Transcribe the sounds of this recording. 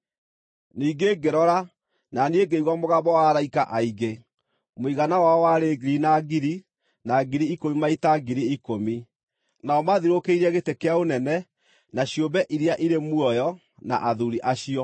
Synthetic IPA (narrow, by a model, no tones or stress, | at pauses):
niːɡeɡeɾɔɾa | nanieɡeiɣwɔmoɣabɔwaaɾaikaʔaiɡe | moiɣanawaɔwaɾeɡɾinaɡiɾi | naɡiɾiikomimaitaɡiɾiikomi | naɔmaðiɾokeiɾɛɣetekeaonɛnɛ | naɕjombɛʔiɾeaʔiɾemwɔjɔ | na̰ʔaðuɾiʔaɕijɔ